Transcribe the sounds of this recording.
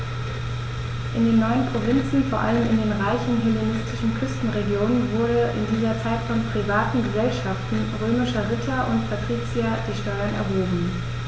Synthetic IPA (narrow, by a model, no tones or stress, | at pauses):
ʔɪndeːnːɔʏənpʁ̥ovɪnt͡sn̩foːɐʔa̰ləmɪ̰ndeːnʁaɪçn̩ɦɛlenɪstʰɪʃn̩kʰʏstn̩ʁeɡjoːnənvʊɐdəʔɪ̰ndiːzɐt͡saɪtfɔnpʁ̥ivaːtn̩ɡəzɛlʃaftn̩ʁøːmɪʃɐʁɪtʰɐʔʊntpʰatʁ̥iːt͡sjad̥iːʃtɔʏɐnɛ̰ɐɦoːbm̩